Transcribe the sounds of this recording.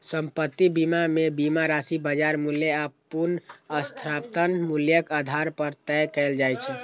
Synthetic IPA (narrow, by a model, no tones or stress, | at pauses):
səmpət̪ːibimamebimaɾasibəd͡ʒaɾmuljeapunəst̪ʰɾapt̪ənmuljəkad̪ʱaɾpəɾt̪ɛkɛld͡ʒajt͡ʃʰɛ